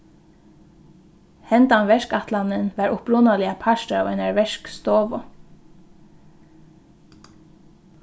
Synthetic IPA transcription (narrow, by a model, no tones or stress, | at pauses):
hɛnd̪ɑnʋɛʃkɑt̪ʰlɑnənʋɑːɹʔʊpɹʊnɑlɪɑpʰɑʃtəɑ̰ːʋɛnæɹʋɛʃkst̪oːʋɔ